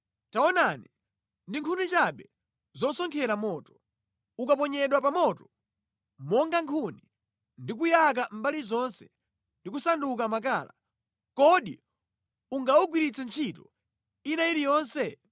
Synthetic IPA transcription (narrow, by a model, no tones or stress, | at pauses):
taɔnani | ndiŋkʰunit͡ʃaɓɛ | zɔsɔŋkʰɛɾamɔːtɔ̥ | ukap̬ɔɲɛɗwapamɔtɔ | mɔŋɡaŋkʰuni | ndik̬ujak̬am̩balizɔnsɛ̥ | ndik̬usanduk̬amak̬a̰ːla̰ | kɔɗḭ | uŋɡauɡwiɾit͡sʰɛnt͡ʃʰitɔ | inaiɾijɔːnsɛ